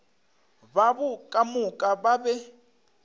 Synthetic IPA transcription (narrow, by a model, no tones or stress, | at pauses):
βaβukʼamukʼaβaβɛ